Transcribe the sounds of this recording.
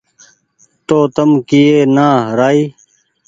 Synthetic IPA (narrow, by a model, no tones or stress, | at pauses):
t̪oːt̪ɐmkijeːnaːɦɾaːiː